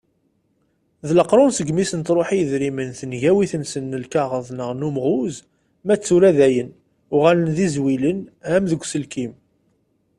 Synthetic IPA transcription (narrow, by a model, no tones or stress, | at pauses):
ðləqɾˤʊnsəɡmisənt̪ɾˤoħijəðɾimənθənʝæwiθənsənːəlkaʁəðˤnəʁnumʁuz | mæt͡sːuɾæðæjən | ʊʁalənðizwilənæmðəɡʷːsəlkim